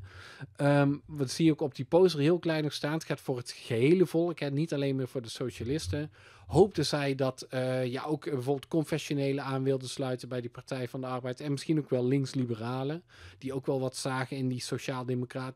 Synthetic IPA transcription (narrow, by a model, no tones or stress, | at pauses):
əʋəsiːokɔb̚dipowsərɦɪːlˠklɛjnɔxstaːntxɛtfʊːɹɦətχəɦejləvɔlˠəkɦɛnitɑlejnmɪːɹvʊːɹdəsowʃalɪstə | ɦowp̚təzɛjdɑtjaʔowkbəvʊːɹbɪlˠt̚kɔnfɛʃonejləaːnʋɪlˠdəslœɥtənbɛjdəpɑɹtɛjvɑndəɑɹbɛjtɛnmɪsχinowkʋɛlˠːɪŋslibəraːlə | d̥iowkʋɛlˠʋɑtsaːχənɪndisowʃaːlˠdemokraːt